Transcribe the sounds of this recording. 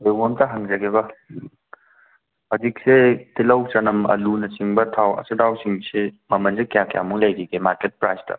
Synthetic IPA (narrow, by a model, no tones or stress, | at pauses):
ewomtɐɦɐŋzɐɡebɐ | ɐdik̚setilɐwt͡ʃɐnɐmɐ̰lunɐsiŋbɐtʰawɐ̰sɐdawsiŋsemɐmɐnsekjakja̰muŋlɐjɡiɡemaɾket̚pɾajstɐ̰